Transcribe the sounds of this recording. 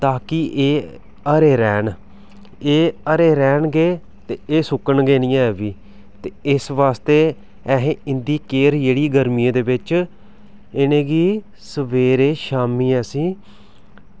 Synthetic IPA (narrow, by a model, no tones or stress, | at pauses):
t̪aːkɪʔeː | əɾeːɾɛːn | eːəɾeːɾɛːnɡeː | t̪eːeːsʊkəɳɡeːnĩjãːɛːʋiː | t̪eːɪsʋaːst̪eː | ɛɦẽːɪnd̪iːkeːɾd͡ʒeːɽiːɡəɾmijẽːd̪eːbɪt͡ʃ | ɪnẽːɡiː | səʋeːɾeːʃaːmiːɛːsiː